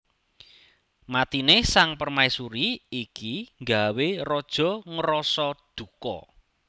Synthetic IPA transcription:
mat̪inesaŋpərmaisuɾiikiŋɡawerɔd̥ʒ̥ɔ̤ŋəɾɔsɔd̪̥ṳkɔ̰

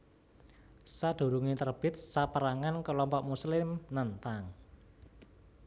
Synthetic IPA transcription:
sad̪̥o̤ɾuŋit̪ərb̥ɪt̪̚sapəɾaŋankəlɔmpɔʔmuslɪmnant̪aŋ

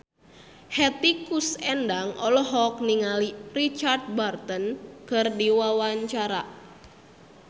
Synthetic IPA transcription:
hɛt̪ikusɛndaŋɔlɔɦɔk̚niŋalirit͡ʃard̪̚bart̪ənkərdiwawaɲt͡ʃaɾa

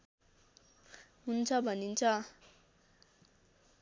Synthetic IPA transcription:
ɦunt͡sʰʌbʱʌnint͡sʰʌ

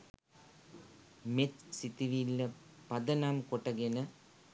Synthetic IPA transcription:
met͡ʃsit̪iʋilːɐ | pɐd̪ɐnaːmkoʈːɐɡenɐ

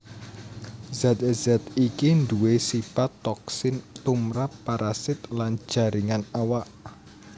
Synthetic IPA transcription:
zat̪̚azat̪ikind̪uwesifat̪ːɔksɪnt̪umɾapːaɾʔasɪt̪lan̥d͡ʒ̥a̤ɾiŋanawaʔ

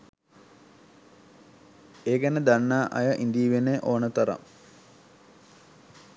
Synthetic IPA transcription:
eːɡenəd̪anːaːʔɐ̰jɐʔind̪iːʋeneʔoːnət̪ɐɾɐ̰m

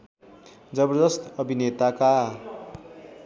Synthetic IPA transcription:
d͡zʌbʌrd̪ʌst̪ʌbʱinet̪aka

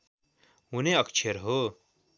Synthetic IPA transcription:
ɦuneʌkt͡ʃʰeɾɦoː

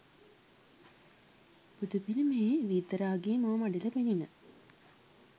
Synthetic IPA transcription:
bud̪upinimeːʋiːt̪əɾaːɡeːmomaɖilɐpeninə

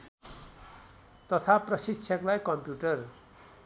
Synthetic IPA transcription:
t̪ʌt̪ʰaprʌsitt͡sʰʌklajkʌmpjuʈʌr

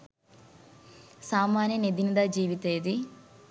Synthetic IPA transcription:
saːmaːnjɐned̪inid̪aːd͡ʒiːʋit̪eːd̪i

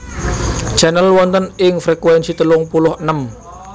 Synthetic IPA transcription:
d͡ʒ̥anəlwɔnt̪ənɪŋfɾekwɛnsit̪əlʊŋpulʊhʔənəm

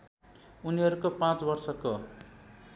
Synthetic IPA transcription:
uniɦʌɾukopãt͡sbʌrsʌko

